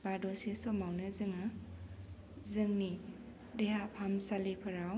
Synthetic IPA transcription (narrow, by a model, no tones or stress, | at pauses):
b̥adosisɔmawnɯzɯŋa | zɯŋni | deɦapʰamsalipʰɯɾaw